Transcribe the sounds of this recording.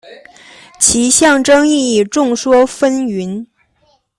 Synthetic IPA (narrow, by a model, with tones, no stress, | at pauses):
t͡ɕʰi˧˥ɕjɑ˥˩ŋʈ͡ʂɤ˥ŋi˥˧i˥˩ʈ͡ʂʊ˥˩ŋʂwɔ˥fə˥ny˧˥n